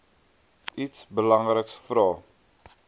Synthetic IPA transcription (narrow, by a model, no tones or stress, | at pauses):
ʔitsbəlɐŋrəksfɾɑː